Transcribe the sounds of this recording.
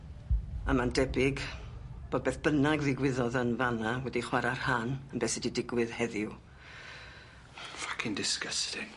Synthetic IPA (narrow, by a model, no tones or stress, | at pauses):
a̰mandɛbɪɡ | b̥oːd̚beːθb̥ənaɡðɪɡwɪðɔðənvanawɛdiχwaɾarhanənmbɛːsɪdidɪɡwɨðhɛðɪw | fḁkʰɪndɪskəstʰɪŋ